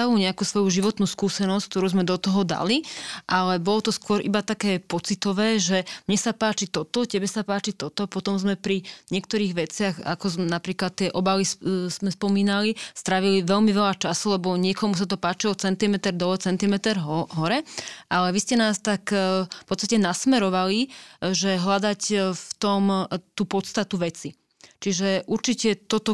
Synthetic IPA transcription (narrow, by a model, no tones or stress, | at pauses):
aʋuːɲɛakuːsʋɔjuʒiʋɔt̪nuːskuːsɛnɔsck̚t̪ɔɾuːzmɛd̪ɔt̪ɔɦɔd̪a̰liʔalɛbɔlɔt̪ɔskʊɔɾʔḭbat̪akɛːpɔt͡sit̪ɔʋɛːʒɛmɲɛsapaːt͡ʃit̪ɔt̪ɔcɛbɛsapaːt͡ʃit̪ɔt̪ɔpɔt̪ɔmzmɛpɾiɲɪɛkt̪ɔɾiːɣʋɛt͡sɪaxa̰kɔzmnapɾiːklat̪̚ːɪɛʔɔbalisz̥mɛspɔmiːnalist̪ɾaʋiliʋɛlmiʋɛlat͡ʃasulɛbɔɲɪɛkɔmus̬at̪ɔpaːt͡ʃiɔt͡sɛnt̪imɛt̪ɛɾd̪ɔt͡sɛnt̪imɛt̪ɛɾɦɦɔɾɛʔalɛʋiscɛnaːst̪akfpɔt̪t͡st̪acɛnasmɛɾɔʋaliʒɛɦlad̪acft̪ɔmt̪uːpɔt̪st̪at̪uʋɛt͡si | t͡ʃiʒɛʔuɾt͡ʃicɛt̪ɔt̪ɔ